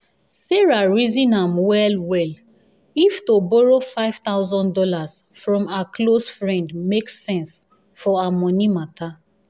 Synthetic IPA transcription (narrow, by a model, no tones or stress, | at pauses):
sɛɹaɹizĩnãmwɛlwɛl | iftobɔɹofaɪv̥tawzɔ̃ndɔlazfɹɔ̃maklosfɹɛ̃ndmeksɛ̃ns | fɔamɔ̃nimata